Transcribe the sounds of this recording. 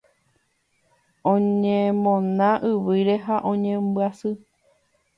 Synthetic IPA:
õɲẽmõnãʔɨʋɨɾeɦaʔõ̞ɲẽmbɨasɨ

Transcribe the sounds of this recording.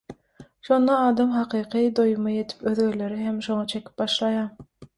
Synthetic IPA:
ʃo̞nd̪ɑɑːd̪ɑmɦɑqʰɯːqʰɯd̪ojumɑje̞t̪ʰi̥pøðɡøɾle̞ɾiɦe̞mʃo̞ŋɑt͡ʃʰe̞kʲi̥p̚bɑʃlˠɑjɑːm

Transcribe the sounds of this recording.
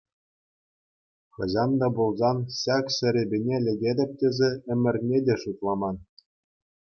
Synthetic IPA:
χɤ̆ʑɑnd̪ɑbulˠzɑnɕɑkɕɘ̆ɾʲĕbʲenʲelʲɘ̆ɡʲedʲɘ̆p̚ʲtʲezʲeɘ̆mʲɘ̆rʲnʲedʲeʂut̪lˠɑmɑn

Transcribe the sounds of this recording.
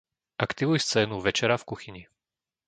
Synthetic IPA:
ʔakt̪iʋujst͡sɛːnuʋɛt͡ʃɛɾafkuxiɲi

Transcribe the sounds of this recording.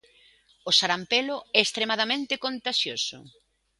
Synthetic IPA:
osaɾampeloɛest̪ɾemað̞amẽnt̪ekont̪aʃjosʊ̰

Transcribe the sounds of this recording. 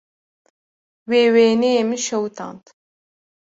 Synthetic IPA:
weːweːnejemɨnʃɐwt̪ʰɑ̰ːnt̪

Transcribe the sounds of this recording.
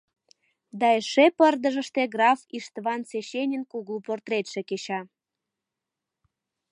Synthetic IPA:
d̪ɑeʃepərd̪ə̆ʒə̆ʃt̪eɡrɑfiʃt̪βɑnseɕenʲenkuɣuport̪ɾet̪ʃeket͡ɕɑ

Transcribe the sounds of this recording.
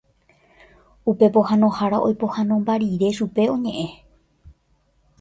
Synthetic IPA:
upe̞po̞hãnõhaɾaʔo̞jpo̞hãnõ̞mbaɾiɾe̞ʃupe̞õ̞ɲẽ̞ʔẽ̞

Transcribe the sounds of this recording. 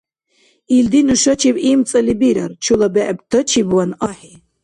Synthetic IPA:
ild̪inɨʃɐt͡ʃʰibimt͡sʼɐlibiɾɐɾt͡ʃʰulɐbɛʔɛbt̪ʰɐt͡ʃʰibwanaħi

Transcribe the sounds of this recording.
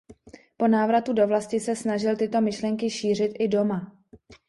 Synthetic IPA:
po̞naːvɾat̪udo̞vlascɪsɛsnaʒɪlt̪ɪt̪o̞mɪʃlɛŋkɪʃiːr̝ɪt̪ʔɪdo̞ma

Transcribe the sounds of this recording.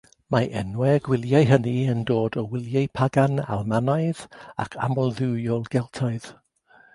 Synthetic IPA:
maʔɛnwɛɡwɪlˠjaɨɦəniəndoːdɔwɪlˠjaɨpʰaɡana̰lˠmanaɨða̰kʰa̰mɔlˠðɪwjɔlˠɡɛlˠtʰaɨð̥

